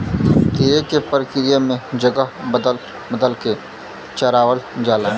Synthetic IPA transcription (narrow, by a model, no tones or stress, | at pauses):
t̪eːkepəɾəkɪɾɪjamẽd͡ʒəɡəɦbəd̪əl | bəd̪əlke | t͡ʃɐɾaːwəld͡ʒaːlaː